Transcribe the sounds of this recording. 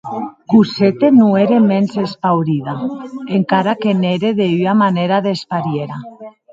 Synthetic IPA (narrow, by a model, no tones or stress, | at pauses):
kuset̪enueɾemensespawɾiðaeŋkaɾakeneɾeðeyamaneɾaðespaɾjeɾa